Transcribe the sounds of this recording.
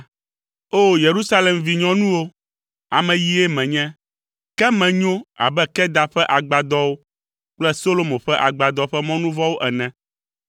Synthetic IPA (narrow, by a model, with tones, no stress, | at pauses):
o˦je˨ɾu˦sa˦lɛ˨mvi˨ɲɔ̃˦nũ˦wo˦ | a̰˨mɛ̃˨ji˦ɛ˦mɛ̃˨ɲɛ̃˦ | kɛ˦mɛ̃˨ɲõ˦a̰˨bɛ˦kɛ˦d̪a˨ɸɛ˦ʔa˨ɡ͡ba˨d̪ɔ˦wo˦ | k͡plɛ˦so˦lo˦mõ˨ɸɛ˦ʔa˨ɡ͡ba˨d̪ɔ˦ɸɛ˦mɔ̃˦nũ˦vɔ˦wo˦ʔɛ˨nɛ̃˨